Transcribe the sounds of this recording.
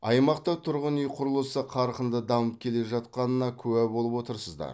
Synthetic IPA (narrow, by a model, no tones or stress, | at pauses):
ɑjmɑqt̪ɑt̪ʰʊɾʁənʏjqʰʊɾəlˠəsəqʰɑɾqənd̪əd̪ɑməp̚kʲʰe̞le̞ʒɑt̪̚qɑnənɑkʲʰɵwæbo̞lˠəpwo̞t̪əɾsəzd̪ɑ̰ɾ